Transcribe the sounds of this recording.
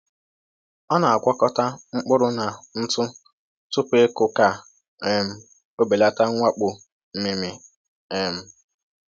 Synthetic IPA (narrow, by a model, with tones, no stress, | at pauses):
ɔ˦na˨a˨kʷɔ˦kɔ˦ta˦ŋ͡m̩˦k͡pʊ˦ɾʊ˦na˨n̩˦tʊ˦ | tʊ˦pʷe˦kʊ˨ka˨ | e˦m̩˦ | o˦be˨la˦ta˦ŋʷa˦k͡pʊ˨ | m̩˦mi˦mɪ˦ | e˦m̩˦